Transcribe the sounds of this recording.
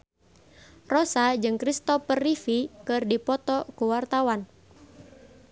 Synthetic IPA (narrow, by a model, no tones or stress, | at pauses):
rɔsad͡ʒɨŋkɾist̪ɔpərifikɨrdipɔt̪ɔkuwart̪awan